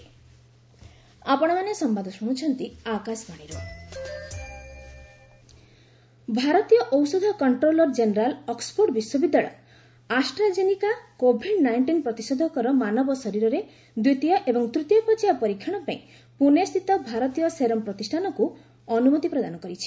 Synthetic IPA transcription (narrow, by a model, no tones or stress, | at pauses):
apɔɽ̃ɔmanesɔmbad̪ʱɔsuɽ̃ut͡ʃʰɔnt̪iakasbaɽ̃iɾu | bʱaɾɔt̪ijɔʔɔwsɔd̪ʱɔkɔɳʈɾolɔɾd͡ʒeneɾalɔkspʰoɾʈbiswɔbid̪ːaɭɔ̰ | asʈɾad͡ʒenikakobʱiɖnaiɳʈinpɾɔt̪isɔd̪ʱɔkɔɾɔmanɔbɔsɔɾiɾɔɾe | d̪wut̪ijɔʔebɔŋt̪ɾut̪jɔpɔt͡ʃiapɔɾikʰːjaɽ̃ɔpaĩ | punest̪ʰit̪ɔbʱaɾɔt̪ijɔseɾɔmpɾɔt̪isʈʰanɔku | ɔnumɔt̪ipɾɔd̪anɔkɔɾit͡ʃʰi̥